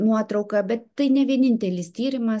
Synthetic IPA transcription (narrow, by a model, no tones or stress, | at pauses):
nuɔt̪ɾɐʊkɐbʲɛt̪t̪ɐɪnʲɛʋʲiɛnʲɪnʲt̪ʲɛlʲɪst̪ʲiːɾʲɪmɐ